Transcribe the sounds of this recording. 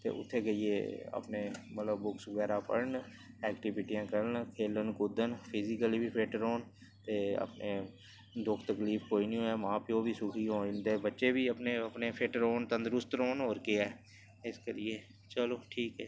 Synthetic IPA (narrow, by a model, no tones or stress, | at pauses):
t̪ḛːʔʊ̰t̪ʰːekeiḛə̰pnemət̪ləbːʊksɡɛːɾapə̰ɾn | ɛːkʈɪʋɪʈijãːkəɾənkʰeːlənkʊd̪ənpʰɪzɪkəlibʱipʰeːʈɾoːn | t̪eːə̰pne | d̪ʊkʰt̪əkliːpkoːinĩõɛmãːpːobʱisʊkʰiɦoːt̪eːbətːʃebʱiəpneəpnepʰeːʈɾoːnt̪ə̃nd̪ɾʊst̪ɾoːnɦoːɾkeɛː | ɪskelɪe | t͡ʃəloːʈʰiːkɦɛː